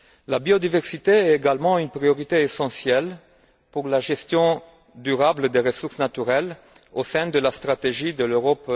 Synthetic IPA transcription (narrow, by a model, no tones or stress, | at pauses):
labiod̪ivɛʁsit̪eɛt̪eɡalmɑ̃ynpʁioʁit̪eːsɑ̃sjɛl | puʁlaʒɛst̪jɔ̃ | d̪yʁabləd̪eʁəsuʁsnat̪yʁɛl | osɛ̃d̪əlast̪χat̪eʒid̪əløʁɔp